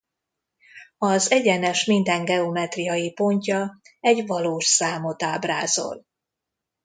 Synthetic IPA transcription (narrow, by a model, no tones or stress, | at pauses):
ɒzɛɟɛnɛʃmind̪ɛŋɡɛo̞mɛt̪rijɒjipo̞ɲcɒɛɟvɒloːʃsaːmo̞t̪aːbraːzo̞̰l